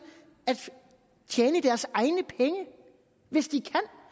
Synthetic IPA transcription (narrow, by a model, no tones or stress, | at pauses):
æd̥ | t͡ɕʰjeːnəd̥æɐsɑ̈ɪnəpʰeŋə | ʋe̝sd̥ikʰæn̰